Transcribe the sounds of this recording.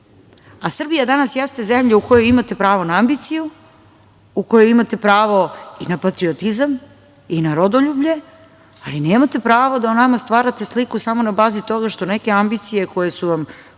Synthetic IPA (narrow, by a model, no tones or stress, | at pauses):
asr̩bijad̪anasjest̪ezemʎeuko̞jo̞jimat̪e̞pɾaːʋo̞naambit̪siju | uko̞jojimat̪e̞pɾaːʋo̞inapat̪ɾio̞t̪izam | inaɾod̪oʎubʎe̞ | alineːmat̪e̞pɾaːʋod̪aonamast̪vʋaːɾat̪e̞slikusamo̞nabaːzit̪o̞ɡaʃt̪one̞ke̞ambit̪sije̞ko̞je̞suʋam